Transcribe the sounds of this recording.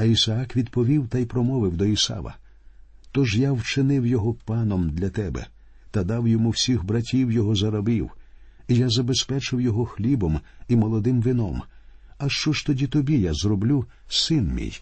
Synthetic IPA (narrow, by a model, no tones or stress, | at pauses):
ɐisɐɑkʋʲid̪pɔʋʲiwt̪ɐjpɾɔmɔʋɪwd̪ɔisɑ̰ʋɐ̰ | t̪ɔʒjawt͡ʃɪnɪwjɔɦɔpɑnɔmd̪lʲɐt̪ɛbɛ̰ | t̪ɐd̪ɑwjɔmuwsʲixbɾɐtʲiwjɔɦɔzɐɾɐbiw | ijazɐbespɛt͡ʃɪwjɔɦɔxlʲibɔmimɔlˠɔd̪ɪmʋɪnɔmɐʃt͡ʃɔʃt̪ɔdʲit̪ɔbʲijazrɔblʲu | sɪnmʲḭj